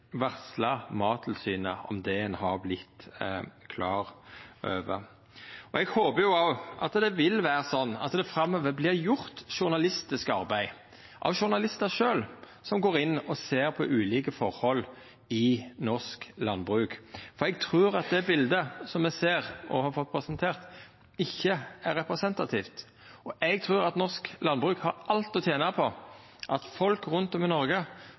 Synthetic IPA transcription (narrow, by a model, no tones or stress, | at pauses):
ʋæʁslɑmɑːt̪ʰɪlsyːnəɔ̰md̪ɛɛnhɑɾblɪt̪ː | kʰlɑːʁʔøːʋə̰ | ɔɛɡhoːbəjʊɑʔɑt̪d̪ɛʋɪlʋæːɾəsɔnːɑ̰t̪d̪ɛfɾɑmːɔʋəblɪɾjʊɾt̪ʃʊʁnɑlɪst̪ɪskɑɾbæɪ | ʔɑ̰ʋʃʊʁnɑlɪst̪əʂøːl | sɔmɡoːɾɪnːɔseːɾpʰɔʔʉːliːkəfɔʁhɔl | ɪnɔsklɑ̰nbʁʉːkfɔɾɛɡ̚t̪ʰʁʉːɾɑt̪̚d̪ɛbɪld̪əsɔmɛseːɾʔɔ̰hɑfɔt̪̚pʰɾɛsənt̪ʰeːʁt̪ | ɪçːəæɾːɛpʁɛsɛnt̪ɑt̪ʰiːft̪ | ɔʔɛɡ̚t̪ʰʁʉːɾɑt̪nɔʁsklɑnbʁʉːkhɑɾɑlt̪ɔt̪ʰjeːnəpʰɔ | ʔɑt̪fɔlkɾʉnt̪ɔmɪnɔɾɡə